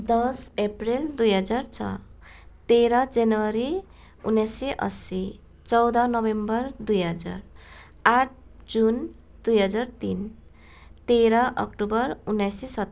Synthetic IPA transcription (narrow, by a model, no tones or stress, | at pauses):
d̪ʌsepreld̪ujɦʌd͡zart͡sʰʌ̰t̪eɾʌd͡zenuwaɾi | unːajseʔʌ̰si | t͡sʌwd̪ʌnʌbembʌrd̪ujɦʌd͡za̰r | aʈ̚ʰd͡zun | d̪̥ujɦʌd͡zart̪in | t̪eɾaʔʌ̰kʈubʌrunːajsisʌt̪